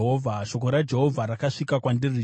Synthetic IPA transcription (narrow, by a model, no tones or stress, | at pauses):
ɦovʱaʃo̞koɾad͡ʒe̞ɦo̞vʱaɾakaʂikakwandiri